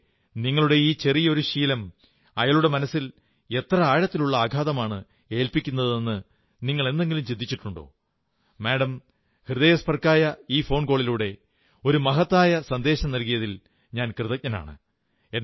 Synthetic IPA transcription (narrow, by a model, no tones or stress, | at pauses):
niŋːɐɭuɽe̞iːt͡ɕe̞rijɐo̞ɾuɕiːlɐm | ɐjɐɭuɽe̞mɐnɐsːil | e̞t̪rɐaːɻɐt̪ːiluɭːɐaːɡʱaːðɐmaːɳɨ | e̞ːlpikʲːunːɐðɨenːɨ | niŋːɐɭe̞nd̪e̞ŋɡilumt͡ɕid̪ːit͡ɕːiʈːuɳɖo̞̰ː | meːɽɐm | hrɨðɐjɐspɐrkaːjɐiːfo̞ːɳko̞ːɭiluːɽe̞ | o̞ɾumɐɦɐt̪ːaːjɐsɐnd̪e̞ːɕɐmnɐlkijɐðil | ɲaːnkrɨðɐk̚ɲɐna̰ːɳɨ̰ | en